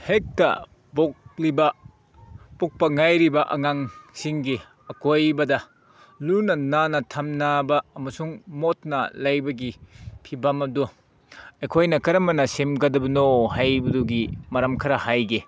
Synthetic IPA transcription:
hek̚tɐ̰ | boklibɐ | puk̚pɐŋajɾibɐʔɐ̰ŋaŋsiŋɡi | ɐkojbɐdɐ | lunɐnanɐtʰɐmnabɐːmɐsuŋmot̚nɐ̰lajbɐɡipʰibɐmɐdu | ekʰojnɐkɐɾɐmɐnɐsemɡɐdɐbɐnohajbuduɡimɐɾɐmkʰɐɾɐhajɡi

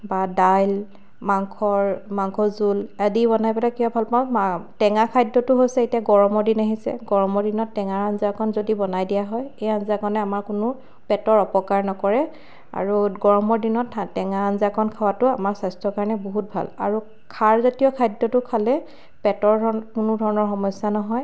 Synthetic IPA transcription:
badajl | maŋkʰɔɹmaŋkʰɔzuladibɔnajpɛlakijɔbʱalpaʊ̃matɛŋakʰajdɔtʊɦojsɛetijaɡɔɹɔmɔɹdinaɦisɛ̰ɡɔɹɔmɔɹdinɔtːɛŋaɹanzakʰɔnzodibɔnajdijaɦɔjejanzakʰɔnɛamaɹkʊnʊ | pɛtɔɹɔpɔkaɹnɔkɔɹɛ | a̰ɹuɡɔɹɔmɔɹdinɔtaːɛŋaanzakʰɔnkʰawatʊamaɹsajstʰɔkaɹɔnɛboɦut̚bʱa̰la̰ɹu | kʰaɹzotijɔkʰajdːɔtʊkʰalɛ | pɛtɔɹɔkʊnʊdʱɔɹɔnɔɹxɔmɔsːanɔɦɔj

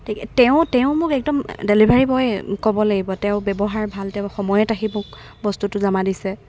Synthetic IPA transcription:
tʰikɛtɛʊ̃tɛʊ̃mʊkɛk̚dɔmdelibʱaɹibɔjkɔbɔlaɡibɔtɛʊ̃bɛbɔɦaɹbʱaltɛʊ̃xɔmɔjɛtakimʊk̚ | bɔstutʊzamadisɛ

